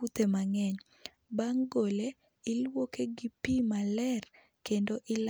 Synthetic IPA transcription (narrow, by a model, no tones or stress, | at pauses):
ut̪emaŋɛɲ | baŋɡole | ɪlwokeɡipimalɛr | kendoʔɪl